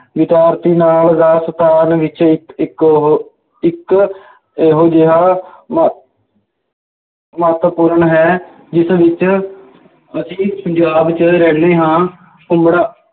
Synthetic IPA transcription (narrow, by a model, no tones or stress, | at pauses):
ʋɪt̪aːɾt̪iːnaːld̪aːst̪aːnʋɪt͡ʃ | ɦ | ɪk | eːɦoːd͡ʒeɦaːm | mət̪puɾɳɦɛː | d͡ʒɪsʋɪt͡ʃ | əsĩːpəɲd͡ʒaːbt͡ʃəɾɛːɳeːɦãː | kʊmbɽaː